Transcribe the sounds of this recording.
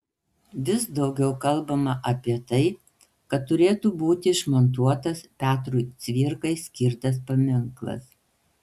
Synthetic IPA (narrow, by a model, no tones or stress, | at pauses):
ʋʲɪsd̪ɒʊɡʲɛʊkɐlˠbɐmɐʔɐpʲiɛt̪ɐɪ | kɐt̪ːʊɾʲeːt̪uːbuːt̪ʲɪɪʃmɐnt̪̬uɔt̪ɐspʲæːt̪ɾuːt̪sʲʋʲɪɾkɐɪsʲkʲɪɾt̪ɐspɐmʲɪŋklˠɐ̰s